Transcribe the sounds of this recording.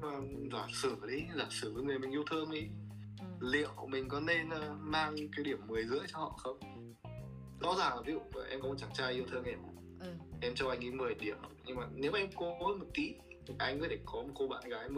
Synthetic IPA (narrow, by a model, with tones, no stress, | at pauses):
maː˨˩zaː˧˩sɨ˧˩˨ɗi˨˦zaː˧˩sɨ˨˧˩vəː˨˦jŋɨ˨˩əjmï˨˩ŋ̟ʔi˧əwt̪ʰɨ˧ŋʔi˨˦ | lḭ˧˨əwmï˨˩ŋ̟kɔ˨˦ne˧nʔəː˧maː˧ŋkaː˨˦jɗi˧˩əmːɨ˨˩əjzɨ̰˧˥əjt͡ɕɔ˧hɔ̰˧˨xə˧wŋ͡m | zɔ̰˧˥zaː˨˩ŋaː˨˩vi˨˦zṵ˧˨aː˨˩ʔɛ̰˧mkɔ˨˦m˨˩t͡ɕaː˧˩ŋt͡ɕaː˧jʔi˧wt̪ʰɨː˧ŋʔɛ˧˩˨ | ʔɛ˧mt͡ɕɔ˧wʔa˧jŋ̟ʔi˨˦m˨˩hə˨˩ɗi˧˩əmɗɔ˨˦ɲɨ˧ŋmaː˨˩ne˨˦wʔa˧jŋko˧˨˦mo˨˩t̪ḭ˧˥ | t̪ʰi˨˩ʔa˧jŋ̟kɔ˨˦t̪ʰe˧˩kɔ˨˦mo˨˩t̚ko˧ɓa̰ː˧˨nɣaː˨˦jm˧˦